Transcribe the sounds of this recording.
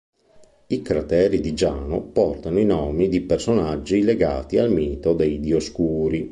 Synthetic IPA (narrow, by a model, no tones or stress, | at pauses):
ikɾat̪ɛːɾid̪id͡ʒaːno̰pɔrt̪anoinɔːmid̪ipersonad͡ʒːileɡa̰ːt̪ialmiːt̪od̪ejd̪ioskuːɾi